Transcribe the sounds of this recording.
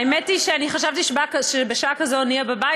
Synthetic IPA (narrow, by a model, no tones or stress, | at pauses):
jmɛtiʃɛaniχaʃavtiʃbakʃɛbɪʃakazoniababa